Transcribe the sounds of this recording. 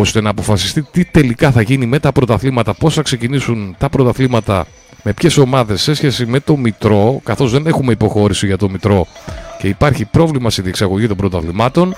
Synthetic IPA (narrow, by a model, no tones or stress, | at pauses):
ost̪e̞nɐːpo̞fɐsi̥st̪it̪it̪e̞likɐθɐʝinime̞t̪ɐpɾo̞t̪ɐθlimɐt̪ɐpo̞sθɐkse̞cinisunt̪ɐpɾot̪ɐθlimɐt̪ɐ̰ | me̞pçe̞so̞mɐðe̞sːe̞sçe̞sime̞t̪o̞mit̪ɾo̞kɐθo̞zðe̞ne̞xumeipo̞xo̞ɾisiʝɐt̪o̞mit̪ɾo̞ce̞ipɐɾçipɾo̞vlimɐst̪iðie̞ksɐɣo̞ʝit̪o̞mbɾot̪ɐθlimɐt̪o̞n